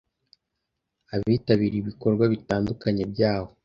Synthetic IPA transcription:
aβiːtaβiːɾiβiko̞ɾɡwaβitaːndukaɲe̞bɟaːho̞

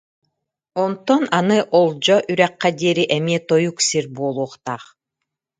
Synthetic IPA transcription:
ont̪onanɯʔolˠd͡ʑoʔyɾæqːɑd̪ʲeɾiʔemet̪ojuksiɾboːlˠuːqt̪ɑq

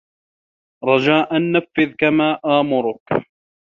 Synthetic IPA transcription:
ɾˤɑd͡ʒaːʔanːafːɪðkamaːʔaːmʊɾʊk

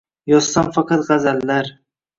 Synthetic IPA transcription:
jɒzsamfɑqɑt̪ʁɑzalːaɾ

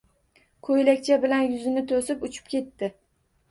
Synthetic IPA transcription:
kʰojlakʲt͡ʃʰabɪlanjʊzɪnɪt̪ʰosɪpʊt͡ʃʰɪ̥pkʲe̞t̪ːɪ

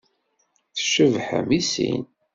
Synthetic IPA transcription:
θə̥ʃəvħə̰misḭn

